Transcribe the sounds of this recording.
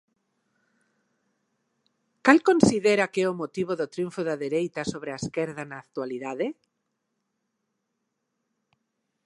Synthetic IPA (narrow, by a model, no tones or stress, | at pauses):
kalkonsiðɛɾakɛomot̪iβoðot̪ɾijuɱfoðaðeɾejt̪asoβɾeaeskɛɾðanaːkt̪waliðaðe